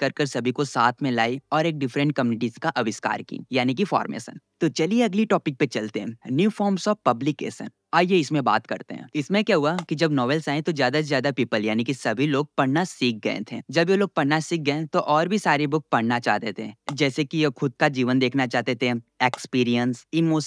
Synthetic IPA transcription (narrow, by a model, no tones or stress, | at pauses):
kɐɾkəɾsɐbʱikosaːt̪ʰmẽlaːiɔːɾeːk̚ɖɪfɾə̃ɳʈ̚kɐmjuːnɪʈizkaʔɐʋɪska̰ːɾkḭːjaːnik̬ifɔ̰ːɾmḛːsə̰nt̪ot͡ʃɐlieɐɡliʈɔːpɪk̚pet͡ʃɐlt̪eɦɛ̃njuːfʰɔːɾmsɔːʋpɐblɪkḛːʃə̰n | aːjeɪsmẽba̰ːt̪kɐ̰ɾt̪ḛɦɛ̰̃ɪsmẽkjaɦuakid͡ʒɐbnɔːʋɛːlsaːẽt̪ozjaːd̪azjaːd̪apiːpəljaːnikisɐbʱiloːɡ̚pɐɽ̤nasiːk̚ɡɐḛ̃t̪ʰḛd͡ʒɐbjeloːɡ̚pɐɽnasiːk̚ɡɐẽt̪oʔɔːɾbʱisaːɾebʊk̚pɐɽnat͡ʃa̰ːɦt̪et̪ʰed͡ʒɛːsekijekʰʊd̪̚kad͡ʒiːʋənd̪eːkʰnat͡ʃaːt̪et̪ʰeeːkspiːɾijənsiːmoːs